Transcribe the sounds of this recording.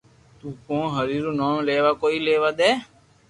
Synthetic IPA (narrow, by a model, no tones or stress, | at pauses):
t̪ũːkõːɦəɾiːɾuːnoːmleːʋaːkoːiːleːʋaːd̪eː